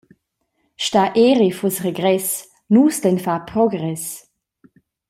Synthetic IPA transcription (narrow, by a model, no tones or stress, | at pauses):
ʃtaʔeːʁifɔsʁeɡʁɛs | nuːsdɛnfapʁɔɡʁɛs